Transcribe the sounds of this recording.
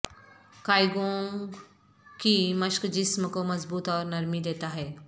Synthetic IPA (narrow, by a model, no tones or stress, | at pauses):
kaːjɡõŋ | kimɐʃkd͡ʒɪsməkomɐzbuːt̪ɔːɾnɐɾmid̪eːt̪aɦɛː